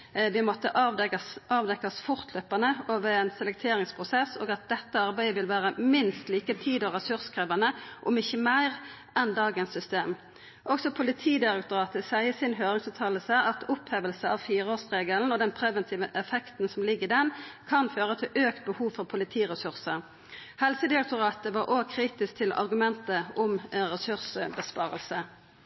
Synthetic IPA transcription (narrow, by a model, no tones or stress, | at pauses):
ʋɪmɔt̪ːəʔɑsʔɑːʋd̪ɛkːɑsfʊʁt̪ʰløpɑnəoːʋəɾɛnsɛlɛk̚t̪ʰeːɾɪŋspʰʁʊsɛso̰ːɡɑt̪̚d̪ɛt̪ːəɑʁbæɪəʋɪlʋæːɾəmɪnst̪liːkət̪ʰiːd̪ɔʁɛsʉʁskʰɾœːʋɑnəʔʊmɪçːəmæɪʁ | ʔɛnd̪ɑːɡənsʏst̪eːm | ʔɔksɔpʰʊlɪt̪ʰiːd̪ɪɾɛk̚t̪ʊɾɑːt̪əsæɪəsɪnɦøːɾɪŋsʉːt̪ʰɑːləsəʔɑt̪ʰʊpheːʋəlsəɑʋfiːʁəoːsʁeːɡəln̩ɔd̪ɛnpʰɾɛʋənt̪ʰiːʋəʔɛfɛkt̪n̩sɔmlɪɡːd̪ɛnkʰɑnføːɾət̪ʰɪlʔøːkt̪̚bəhuːʋfɔʁpʰʊlɪt̪ʰiːʁɛsʉʁsə | hɛlsəd̪ɪʁɛk̚t̪ʊʁɑːt̪əʋɑɾʔoːkʰɾiːt̪ɪsk̚t̪ʰɪlʔɑ̰ɾɡʉmɛnt̪əʔʊmɾɛsʉʁsbəspɑːʁə̰lsə